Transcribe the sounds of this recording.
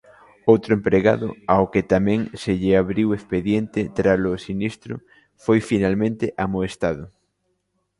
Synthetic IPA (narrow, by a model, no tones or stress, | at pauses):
owt̪ɾʊempɾeɣa̰ðʊ̰aoket̪amɛ̃ŋseʎeaβɾiwespeðjent̪ɪt̪ɾalʊsinist̪ɾʊ | fojfinalmẽnt̪eʔamoest̪aðʊ